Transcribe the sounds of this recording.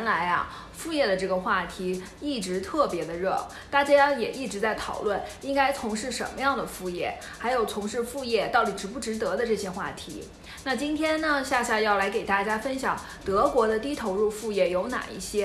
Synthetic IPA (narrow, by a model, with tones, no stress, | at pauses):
nla˧˥ɪɐ̰˧ | fu˥˧jɛ˥˩d̪ə˩ʈ͡ʂɤ˥˩ɡə˩xwa˥˩t̪ʰi˧˥ | i˥˩ʈ͡ʂɻ̩˧˥t̪ʰɤ˥˩pjɛ˧˥d̪ə˧ɻɤ˥˩ | t̪a˥˩t͡ɕja˥jjɛ˨˩ʔi˥˩ʈ͡ʂɻ̩˧˥t͡sa˥˩ɪt̪ʰɑ˨˩ʊlwə˥˩ni˥ŋka˥ɪt͡sʰʊ˧˥ŋʂɻ̩˥˩ʂə̰˧˥nmə˧jɑ˥˩ŋd̪ə˩fu˥˧jɛ̰˥˩ | xa˧˥ɪjo˨˩ʊt͡sʰʊ˧˥ŋʂɻ̩˥˧fu˥˧jɛ˥˧t̪ɑ˥˩ʊt̪i˨˩ʈ͡ʂɻ̩˧˥pu˥˩ʈ͡ʂɻ̩˧˥t̪ɤ˧˥d̪ə˧ʈ͡ʂɤ˥˩ɕjɛ˥xwa̰˥˩t̪ʰḭ˧˥ | na˥˩t͡ɕi˥nt̪ʰjɛ˥nnə˨ɕja˥˧ɕja˥˧jɑ˥˩ʊla˧˥ɪke˨˩ɪt̪a˥˩t͡ɕja˥fə˥nɕjɑ˨˩˦ŋ | t̪ɤ˧˥kwɔ˧˥d̪ə˧t̪i˥t̪ʰo˧˥ʊɻu˥˧fu˥˧jɛ˥˩jo˧˥ʊna̰˨˩ḭ˥˩ɕjɛ˥